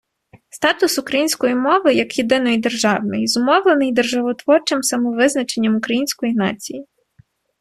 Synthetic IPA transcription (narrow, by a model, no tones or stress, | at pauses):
st̪ɑt̪ʊsʊkɾɐjinʲsʲkɔjimɔʋɪjɐkjed̪ɪnɔjd̪e̞rʒɑwnɪjzʊmɔwlˠenɪjd̪erʒɐʋɔt̪ʋɔrt͡ʃɪmsɐmɔʋɪznɐt͡ʃe̞nʲːɐmʊkɾɐjinʲsʲkɔjinɑ̰t͡sʲiji